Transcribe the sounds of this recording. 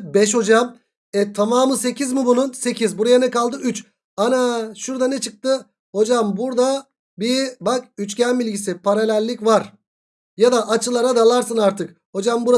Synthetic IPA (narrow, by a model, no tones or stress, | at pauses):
bɛʃ̬ho̞d͡ʒam | ɛt̪ʰamaːmɯse̞cʰizmɯbununse̞cʰizbuɾajanɛkalˠd̪ɯyt͡ʃ | anaʃuɾd̪anɛt͡ʃʰɯk̚t̪ɯ | ho̞d͡ʒambuɾd̪a | bibak̚yt͡ʃcænbilʲɟisipʰaɾalʲælʲːicvaɾ | jad̪aʔːt͡ʃʰɯlˠaɾad̪alˠaɾsɯnaɾt̪ʰɯk | ho̞d͡ʒambuɾa